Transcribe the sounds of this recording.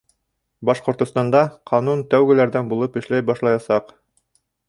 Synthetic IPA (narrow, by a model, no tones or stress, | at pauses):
bɑʃqŏɾt̪ŏst̪ɑnd̪ɑqʰɑnunt̪æwɡɘ̆læɾðænbulˠɤpɘ̆ʃlæjbɑʃlˠɑjɑsɑq